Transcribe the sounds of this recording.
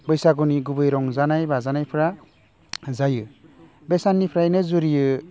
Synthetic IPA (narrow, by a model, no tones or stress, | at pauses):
bʌjsaɡuniɡubɯjɾɔŋzanajbazanajpʰɾa | zajɯ | besanːipʰɾajnɯzuɾijɯ